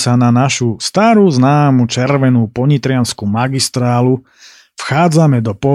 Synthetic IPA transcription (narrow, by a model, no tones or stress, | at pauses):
sananaʃust̪aːɾuznaːmut͡ʃɛɾʋɛnuːpɔɲit̪ɾɪanskumaɡist̪ɾaːlu | fxaːd͡zamɛd̪ɔpɔ